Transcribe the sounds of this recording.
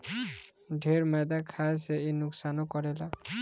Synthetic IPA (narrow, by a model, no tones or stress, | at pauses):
dʱeɹmɛd̪akʰajsɛenʊksanɔkɔɹɛla